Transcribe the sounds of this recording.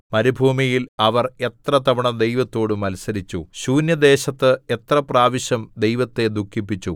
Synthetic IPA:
mɐɾibʱuːmijilɐʋɐre̞t̪rɐt̪ɐbɐɳɐd̪e̞jʋɐt̪ːo̞ːɽumɐlsɐɾit͡ɕːuɕuːnjɐd̪e̞ːɕɐt̪ːɨe̞t̪rɐpraːʋiɕjɐmd̪e̞jʋɐt̪ːe̞d̪ukʰːipːit͡ɕːu

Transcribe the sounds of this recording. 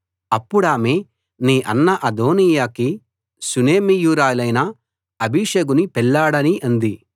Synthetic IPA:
ɐpːuɽaːme | niːʔɐnːɐʔɐd̪o̞ːnijaːki | suneːmijuːɾaːlɐjnɐ | ɐbʱiʂeːɡunipɛɭːaːɽɐniʔɐnd̪i

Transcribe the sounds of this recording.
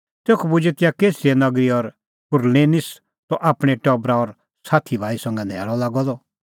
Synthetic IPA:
t̪eːkʰɔbʊd͡ʒet̪ɪjakeːsiɛnɐɡɾiɔɾ | pʊɾleːnɪs | t̪ɔʔaːpɽ̃eʈɔbɾaɔɾ | saːt̪ʰibʱaːisɐ̃ŋɡɛd̪ʱɛ̰ːlɔlaːɡɔd̪ɔ

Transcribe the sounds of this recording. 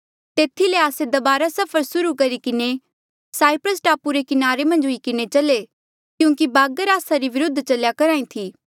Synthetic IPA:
t̪eːt̪ʰileaːsed̪ɐbaːɾasɐpʰəɾsʊɾukɐɾikɪne | saːɪpɾəsʈaːpuɾekɪnaːɾemɐ̃nd͡ʒɦʊikɪnet͡ʃɐle | kjũːkibaːɡəɾaːsaɾiʋɪɾʊd̪ʱːt͡ʃɐljakɐɾaːĩt̪ʰiː

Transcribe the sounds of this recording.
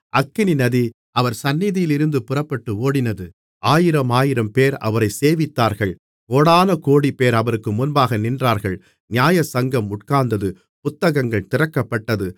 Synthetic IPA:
ʔɐkːɪninɐði | ʔɐʋɐɾsɐnːɪðɪjɪlɪɾɯnd̪ɯpʊrɐpːɐʈːɯoːɽɪnɐðɯ | aːjɪɾɐmaːjɪɾɐmpeːɾɐ̰ʋɐɾɐɪseːʋɪt̪ːaːɾɣɐɭ | oːɽaːnɐkoːɽipːeːɾɐʋɐɾɯkːɯmʊnbaːɣɐnɪndraːɾɣɐɭ | nɪjaːjɐsɐŋɡɐmʊʈkaːnd̪ɐðɯ | pʊt̪ːɐɣɐŋɡɐɭt̪ɪrɐkːɐpːɐʈːɐðɯ

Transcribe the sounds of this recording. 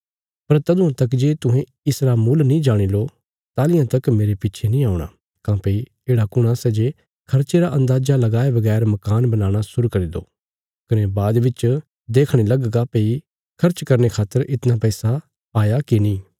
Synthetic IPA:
pɐɾt̪ɐd̪ʊ̃ãt̪ɐkd͡ʒeːt̪ʊ̃ɦẽ | ɪsɾamuːlnĩd͡ʒaːɽ̃ilo | t̪aːlɪjãt̪ɐkmeːɾepɪtːt͡ʃʰenĩaːʊɽ̃a̰ː | kãːpeːi | eːɽakʊɽ̃asɛd͡ʒe | kʰɐɾt͡ʃeɾaʔɐ̃nd̪aːd͡ʒalɐɡaːebɐɡɛːɾmɐkaːnbɐnaːɽ̃asʊɾukɐɾid̪o̰ː | kɐnebaːd̪ʋɪt͡ʃ | d̪eːkʰɽ̃elɐɡɡapeːi | kʰɐɾt͡ʃkɐɾnekʰaːt̪ːəɾʔɪt̪napɛːsa | aːjakinĩː

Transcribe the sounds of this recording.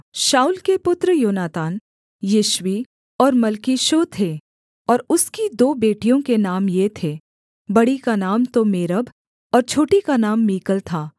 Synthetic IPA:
ʃaːuːlkepʊt̪ɾəjoːnaːt̪aːn | jiːʃwi | ɔːɾmɐlkiːʃot̪ʰeː | ɔːɾʊskid̪oːbeːʈijõkenaːmjet̪ʰeː | bɐɽikanaːmt̪omeːɾəb | ɔːɾt͡ʃʰoːʈikanaːmːiːkəlt̪ʰaː

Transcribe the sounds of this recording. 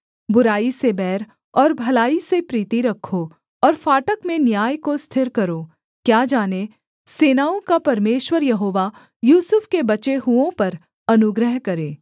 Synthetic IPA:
bʊɾaːisebɛːɾ | ɔːɾbʱɐlaːisepɾiːt̪iɾɐkʰːo | ɔːɾfaːʈəkmẽnjaːjkost̪ʰɪɾkɐɾoː | kjaːd͡ʒaːne | seːnaːõkapɐɾmeːʃwəɾjɐɦoːʋa | juːsʊfkebɐt͡ʃeɦuõpɐɾ | ɐnʊɡɾəɦkɐɾeː

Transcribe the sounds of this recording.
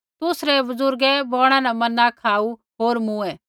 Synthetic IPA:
t̪ʊsɾɛbɐzʊɾɡɛbɔːɽ̃ãnɛmɐnːãkʰaːu | ɦoːɾmũːɛ̃ː

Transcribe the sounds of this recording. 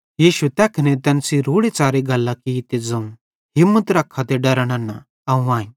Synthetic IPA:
jiːʃut̪ɛːkʰɐnɛt̪ɛːnsiɾuːɽet͡saːɾeɡʱɐlːakit̪ed͡zɐũ | ɦɪmːət̪ɾɐkʰːat̪eɖɐɾəɽ̃anːa | ɐũaːĩ

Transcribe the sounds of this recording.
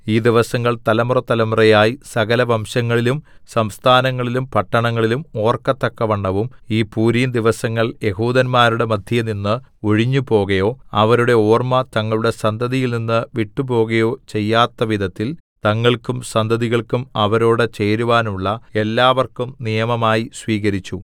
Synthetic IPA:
iːd̪iʋɐsɐŋːɐɭt̪ɐlɐmurɐt̪ɐlɐmurɐjaːjisɐɣɐlɐʋɐmɕɐŋːɐɭilumsɐmst̪ʰaːnɐŋːɐɭilumpɐʈːɐɳɐŋːɐɭilumo̞ːrkɐt̪ːɐkːɐʋɐɳːɐʋumiːpuːɾiːnd̪iʋɐsɐŋːɐɭje̞ɦuːd̪ɐnmaːɾuɽe̞mɐd̪ʱjɐninːɨ | o̞ɻiɲːupo̞ːɣɐjo̞ːɐʋɐɾuɽe̞oːrmɐt̪ɐŋːɐɭuɽe̞sɐnd̪ʱɐðijilninːɨʋiʈːupo̞ːɣɐjo̞ːt͡ɕe̞jːaːt̪ːɐʋid̪ʱɐt̪ːilt̪ɐŋːɐɭkumsɐnd̪ʱɐðiɣɐɭkumɐʋɐɾo̞ːɽet͡ɕe̞ːɾuʋaːnuɭːɐe̞lːaːʋɐrkumnijɐmɐmaːjisʋiːɣɐɾit͡ɕːu

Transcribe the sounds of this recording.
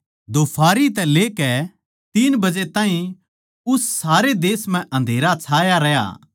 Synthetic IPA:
d̪oːpʰaːɾit̪̬ɛleːkɛ | t̪iːnbɐd͡ʒet̪ãːɦĩ | ʊsːaːɾed̪eːsm̤ɛ̃ʔɐ̃nd̪ʱeːɾat͡sʰaːjaɾɛja̰ː

